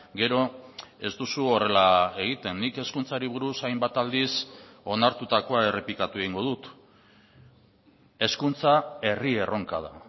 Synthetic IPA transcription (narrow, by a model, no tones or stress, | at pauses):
ɡe̞ɾo̞e̞zd̪usuo̞re̞lae̞ɣ̞it̪e̞nːike̞skunt͡saɾiβ̞uɾusajmbat̪ald̪iso̞naɾt̪ut̪ako̞ae̞re̞plikat̪ue̞ɣ̞iŋɡo̞ðut̪ | e̞skunt͡sae̞rie̞rʔo̞ŋka̰ð̞a̰